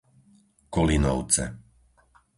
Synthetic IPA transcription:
kɔlinɔ̰ʊt͡sɛ̰

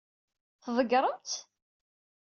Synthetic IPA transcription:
θəðˤəɡɾˤəmt̪

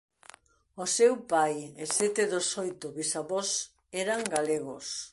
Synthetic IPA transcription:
osewpajesɛt̪eðosojt̪ʊβisaβɔs | ɛɾaŋɡaleɣʊs

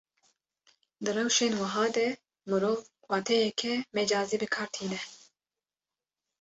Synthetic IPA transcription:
d̪ɨrɛwʃeːnwɨɦɑːd̪ɛ | mɨɾoːv | wɑːt̪ʰɛjɛkʰɛmed͡ʒɑːziːbɨkʰɑːɾt̪ʰiːnɛ

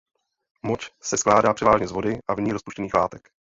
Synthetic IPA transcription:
mot͡ʃsɛsklaːdaːpr̥ɛvaːʒɲɛzvo̞dɪʔavɲiːɾospuʃcɛniːxlaːt̪ɛk

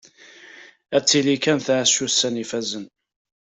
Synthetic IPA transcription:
æt͡sːilikænθʕasusːænifæzən

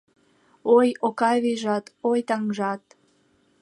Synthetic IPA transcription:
ojokɑjβiʒɑt̪ojt̪ɑŋʒɑt̪̚

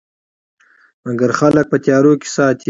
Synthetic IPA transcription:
maɡaɾxalək̚pət̪jɑːɾoke̥sɑːt̪ʰi

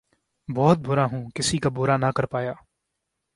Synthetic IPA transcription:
bɔːt̪̚bʊɾãːɦũːkɪsiːkabʊɾaːnakəɾpaːjaː

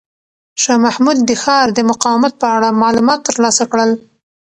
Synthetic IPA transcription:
ʃɑmahmud̪̚ːəxɑɾd̪əmʊqɑwɪmat̪̚pəaɽamɑlumɑt̪ːəɾlɑsakɽəl

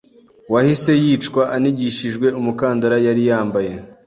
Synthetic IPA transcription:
wahise̞jiːt͡ʃkwaʔaniɟiʃiʒɡwe̞umukaːndaɾajaɾijaːmbaje̞

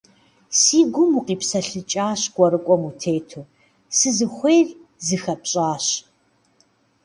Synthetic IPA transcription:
siːɡʷʊmuqiːpsɐɬɨt͡ʃʼaːɕɡ̥ʷɔɾɨkʷʼɔmutʰeːtʰuː | sɨzɨχʷeːrzɨxɐpɕʼaːɕ

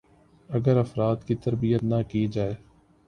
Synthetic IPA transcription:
ɐɡəɾɐfɾaːt̪kit̪ɐɾbijət̪nakid͡ʒaːeː

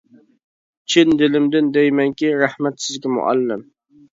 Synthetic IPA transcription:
t͡ʃʰɪnd̪ɪlɪmd̪ɪnd̪ɛjmɛŋkʲiɾɑhmæt̪sɪzkʲɪmʊ̰ʔa̰lːɪm

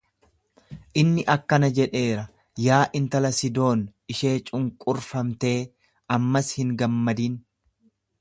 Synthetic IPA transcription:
ʔɪnːɪʔɐkːɐnɐd͡ʒɛᶑe̞ːɾɐ | jaːʔɪnt̪ɐlɐsɪd̪o̞ːnɪʃe̞ːt͡ʃʼʊŋkʼʊɾfɐmt̪e̞ː | ɐmːɐshɪŋɡɐmːɐd̪iːn

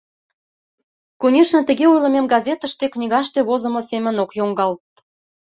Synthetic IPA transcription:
kunʲeʃnə̆t̪ə̆ɣeujlə̆memɡɑzʲet̪ə̆ʃt̪eknʲiɣɑʃt̪eβozə̆mosemə̆nokjoŋɡɑlt̪̚

